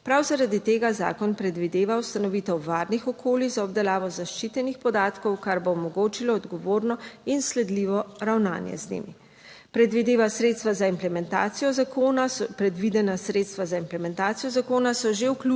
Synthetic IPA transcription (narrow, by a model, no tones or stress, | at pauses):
pɾawzaɾad̪it̪eːɡaza̰ːkɔnpɾɛd̪ʋid̪eːʋawst̪anɔʋiːt̪ɔwʋaːɾnixɔkʰoːliɣzaɔbd̪ɛlaːʋɔzaʃt͡ʃit̪ɛnixpɔd̪aːt̪kɔwkaɾboːmɔɡoːt͡ʃilɔːd̪ɡɔʋoːɾnɔinslɛd̪liːʋɔɾawna̰ːnjɛ̰znḛːmḭ | pɾɛd̪ʋid̪eːʋasɾet̪st̪ʋazaimplɛmɛnt̪a̰ːt̪sijɔzakoːnapɾɛd̪ʋid̪ɛnasɾeːt̪st̪ʋazaimplɛmɛnt̪aːt̪sijɔzakoːnasɔʒewklu